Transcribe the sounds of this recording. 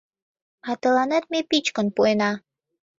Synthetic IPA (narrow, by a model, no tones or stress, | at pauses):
ɑt̪ɤ̆lɑnɑt̪̚mepit͡ɕkə̆npoenɑ